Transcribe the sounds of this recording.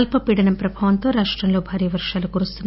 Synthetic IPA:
lpɐpiːɽɐnɐmpɾɐbʱaːʋɐnt̪oːɾaːʂʈɾɐmlo̞ːbʱaːɾijɐʋɐɾʂaːlukuɾust̪unː

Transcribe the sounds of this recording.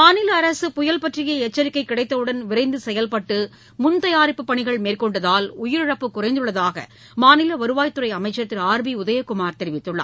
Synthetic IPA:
maːnɪlɐːɾɐsɯpʊjɐlpɐʈrɪjɐɛt͡ʃːɐɾɪkːɐɪkːɪɽɐɪt̪ːɐʋɯɽɐnʋɪɾɐɪnd̪ɯsɛjɐlpɐʈːɯ | mʊnt̪ɐjaːɾɪpːɯpːɐɳɪɣɐɭmeːrkɔɳɖɐðaːlʊjɪɾɪɻɐpːɯkːʊrɐɪnd̪ɯɭːɐðaːɣɐ̰ | maːnɪlɐʋɐɾɯʋaːjt̪ːɯɾɐɪɐmɐɪt͡ʃːɐt̪ːɪɾaːɾbiʊðɐjɐkʊmaːɾt̪ɛɾɪʋɪt̪ːɯɭːa̰ː

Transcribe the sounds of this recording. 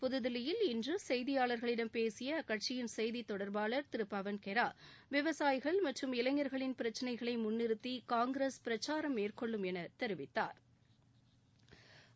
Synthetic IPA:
pʊðɯðɪlɪjɪlɪndrɯsɛjðɪjaːɭɐɾɣɐɭɪɽɐmpeːsɪjɐkɐʈ̚t͡ʃɪjɪnsɛjðit̪ːɔɽɐɾbaːɭɐɾt̪ɪɾɯpːɐʋɐnkɛɾaːʋɪʋɐsaːjɪɣɐɭmɐʈrɯmɪlɐŋːɐɾɣɐɭɪnpɪɾɐt͡ʃːɐnɐɪɣɐɭɐɪmʊnːɪɾɯt̪ːikaːŋɡɪɾeːspɪɾɐt͡ʃːaːɾɐmeːrkɔɭːɯmɛnɐt̪ɛɾɯʋɪt̪ːa̰ːɾ

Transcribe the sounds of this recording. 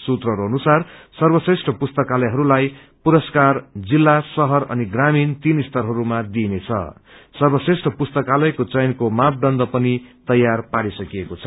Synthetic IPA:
sut̪rʌɾoʌnusarsʌrbʌsresʈʰʌpust̪ʌkalʌjɦʌɾulaj | puɾʌskard͡zilːasʌɦʌɾʌ̰niɡramint̪inist̪ʌrɦʌɾumad̪inet͡sʰʌ̰sʌrbʌsesʈʰʌpust̪ʌkalʌjkot͡sʌjnkomap̚d̪ʌnd̪ʌpʌnit̪ʌjːarpaɾisʌkijekot͡sʰʌ

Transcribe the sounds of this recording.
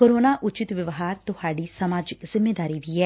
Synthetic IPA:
koːɾoːnaːʔʊt͡ʃɪt̪ʋəʋɦaːɾt̪ʊhaːɖiːsəmaːd͡ʒɪkzɪmːeːd̪aːɾiːʋiːɦɛː

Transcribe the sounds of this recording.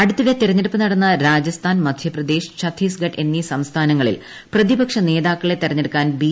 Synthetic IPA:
ɐɽut̪ːiðet̪iɾɐɲːeɽupːɨnɐɽɐnːɐɾaːd͡ʑɐst̪ʰaːnmɐd̪ʱjɐprɐd̪e̞ːɕt͡ɕɐt̪ʰiːsɡɐʈe̞nːisɐmst̪ʰaːnɐŋːɐɭḭl | prɐðibɐkʂɐne̞ːðaːkːɐɭet̪ːirɐɲːeɽukːaːnbiː

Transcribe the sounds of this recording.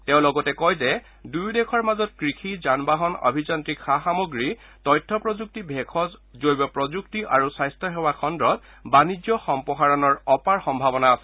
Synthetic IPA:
teʊ̃lɔɡɔtɛkɔjzɛ | dujdekʰɔɹmazɔtkɹikʰizanbaɦɔnɔ̰bʱizɔntɹikxaxamɔɡɹi | tɔjtʰːɔpɹɔzuk̚tibʱekʰɔszojbɔpɹɔzuktiʔaɹusajstʰɔɦɛwakʰɔndɹɔt̚ | banid͡ʒjɔxɔmpɔɦaɹɔnɔɹɔpaɹxɔmbʱabɔnaːsɛ

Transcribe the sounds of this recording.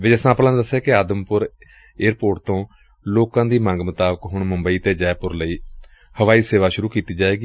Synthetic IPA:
ʋɪd͡ʒəsãːplãːd̪əsːeːkɪaːd̪əmpʊɾ | eːɾpoːʈ̚t̪õː | loːkãːd̪iːmãŋɡmət̪aːbəkɦʊɳməmbəiːt̪eːd͡ʒɛːpʊɾləiː | həʋaːiːseːʋaːʃʊɾuːkiːt̪iːd͡ʒaːeːɡiː

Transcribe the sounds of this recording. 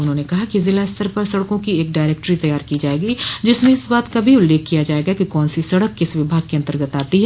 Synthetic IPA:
ʊnɦõːnekɐɦakizɪlast̪ʰəɾpɐɾsɐɽkõkieːkɖaːɪɾeːk̚ʈɾit̪ɐjaːɾkid͡ʒaːeːɡid͡ʒɪsmẽɪsbaːt̪kabʱiʊlːeːkːijad͡ʒaːeːɡakikɔːnsisɐɽəkːɪsʋɪbʱaːɡ̚keɐ̃nt̪əɾɡət̪aːt̪iɦɛ

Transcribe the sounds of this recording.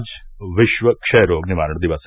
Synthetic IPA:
d͡ʒʋɪʃʋəkʃɛːɾoːɡnimaːɾəɳd̪iʋas

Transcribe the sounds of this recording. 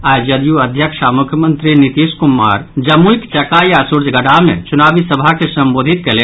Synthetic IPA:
aːjd͡ʒəd̪juɐd̪ʱjəkʃamʊkʰjəmə̃nt̪ɾinit̪iːskumːa̰ːɾd͡ʒɐmuikt͡ʃɐkajasuɾd͡ʒʱɡɐɖamḛ̃t͡ʃʊnaːbisəbʱakesɐmboːd̪ʱit̪̚kele

